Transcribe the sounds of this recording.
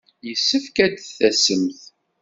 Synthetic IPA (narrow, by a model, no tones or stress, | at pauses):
jəsːəfkæd̪θæsəmθ